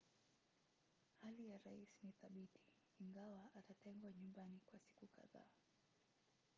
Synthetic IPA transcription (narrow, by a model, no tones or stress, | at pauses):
halijaɾaisniθaɓitʰi̥ː | ŋɡawaʔatatɛŋɡwaɲumbanikwasi̥kuka̰ða̰ː